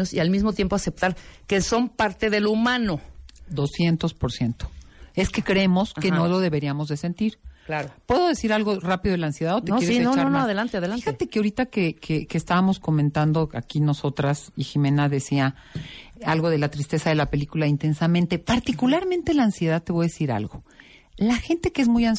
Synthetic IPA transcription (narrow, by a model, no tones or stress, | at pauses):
osḭalmizmot̪je̞mpoase̞p̚t̪aɾkeso̞mpaɾt̪e̞ðe̞lumãno̞d̪o̞sje̞nt̪o̞spo̞ɾsje̞nt̪o̥e̞skekɾeemoskennolo̞ðe̞βeɾiamo̞zðe̞se̞nt̪iɾklaopwe̞ðoðe̞siɾalɣo̞rapiðo̞ð̞elansje̞ðaðotneoeienonaonoaðelant̪eaðelaixat̪e̞keaoɾit̪akekekest̪aβamo̞sko̞mẽnt̪and̪o̞akino̞so̞t̪ɾasiximẽ̞naðe̞sia | alɣo̞ð̞e̞lat̪ɾist̪e̞saðe̞lapelikulaint̪e̞nsamẽnt̪e̞paɾt̪ikulaɾmẽnt̪e̞laːnsje̞ðaðt̪e̞βojaðesiɾa̰lɣo | laxe̞nt̪e̞keezmujan